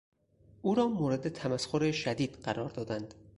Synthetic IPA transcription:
ʔuːɾɒːmoːɾed̪e̞t̪ʰæmæsxoɾeʃæd̪iːd̪̥ɢæɾɒːɾd̪ɒːd̪ænd̪̥

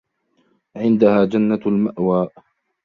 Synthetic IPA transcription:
ʕɪnd̪ahaːd͡ʒanːalmaʔwaːʔ

